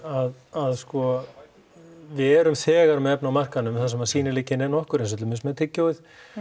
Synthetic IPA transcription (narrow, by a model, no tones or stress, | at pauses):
að | aðskɔ | vɪðɛɾʏmθɛːɣaɾmɛðɛpnawmar̥kanʏmθasɛmasiːnɪlɪːcːɪnɛnːɔhkʏɾẽns̬ʏt̪lʏmɪsmɛðt̪ʰɪcːoːwɪθ